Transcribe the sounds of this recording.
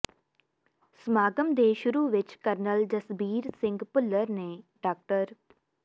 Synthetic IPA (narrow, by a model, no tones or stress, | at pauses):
smaːɡəmd̪eːʃʊɾuʋɪt͡ʃkəɾnəld͡ʒəsbiːɾsɪ̃ŋɡpʊlːəɾnẽːɖaːk̚ʈəɾ